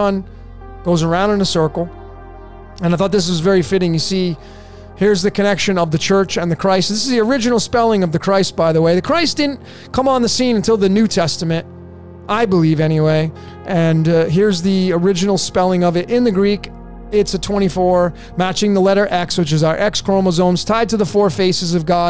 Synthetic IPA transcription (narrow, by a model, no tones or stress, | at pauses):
ʌ̃n | ɡ̥oʊzə˞ãʊ̃ndɨ̃nɨsɜ˞kl̩ˠ | ɨ̃naɪθɔt̪̚ðɪs̬wʌzvɛɹifɪɾɪ̃ŋjɨsi | hɪɹzðɨkʰɨnɛkʃɨ̃nʌvðɨt͡ʃʰɜ˞t͡ʃɨ̃nðɨkʰɹ̥aɪstðɪsɨzðiə˞ɪd͡ʒɨnl̩ˠspɛlˠɪ̃ŋʌvðɨkʰɹ̥aɪst̚b̥aɪðəweɪðɨkʰɹ̥aɪsd̥ɪdⁿn̩ | kʰʌ̃mə̃nðɨsĩnɨ̃ntʰɪlˠðɨnʉtʰɛstɨmɨ̃nt | ʔaɪbəlivɛñiweɪ | ʔɨ̃nɦɪɹzðiə˞ɪd͡ʒɨnl̩ˠspɛlˠɪ̃ŋʌvɨɾʔɪ̃nðɨɡɹik | ɪtsɨtʰw̥ɛ̃ɾ̃ifɔɹ | mæt͡ʃɪ̃ŋðəlɛɾə˞ʔɛkswɨt͡ʃɨzaʊə˞ʔɛkskʰɹ̥õʊ̃məzõʊ̃mz̥tʰaɪd̚tɨðəfɔɹfeɪsɨzʌvɡɑ